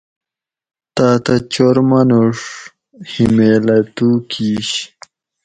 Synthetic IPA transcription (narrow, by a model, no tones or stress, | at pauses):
t̪aːt̪ɐt͡ɕoɾmɐnuʂ | himeːlɐt̪uːkʰiːɕ